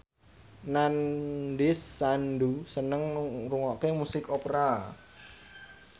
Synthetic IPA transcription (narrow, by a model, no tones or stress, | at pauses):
nanɖɪsːanɖusənəŋruŋɔʔkemusɪkopɾa